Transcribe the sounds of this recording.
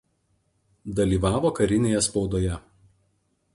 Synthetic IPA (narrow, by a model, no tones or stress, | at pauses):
d̪ɐlʲiːˑʋɑːʋoːkɐɾʲɪnʲeːjɛspɒʊd̪oːjɛ